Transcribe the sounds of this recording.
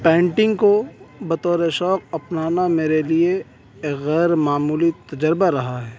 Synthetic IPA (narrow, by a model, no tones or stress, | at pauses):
pɛ̃ːɳʈɪ̃ŋɡkobɐt̪ɔːɾeʃɔːk̚ɐpnaːnameːɾelie | ɣɛːɾmaːmuːlit̪ɐd͡ʒəɾbaɾɐɦaɦɛː